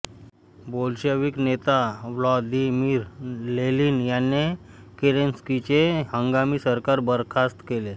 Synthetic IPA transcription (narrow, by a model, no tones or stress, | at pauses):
bolɕəʋiknet̪aʋlɔd̪imiːɾleliːnjanːe | keɾenskit͡ɕehəŋɡamiːsəɾkaɾbəɾkʰast̪kele